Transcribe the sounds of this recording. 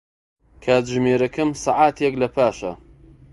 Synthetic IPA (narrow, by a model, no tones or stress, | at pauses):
kʰaːt̪ʒɨmeːɾɐkɨmsɑʕaːt̪jɐklɐpʰaːʃɐ̰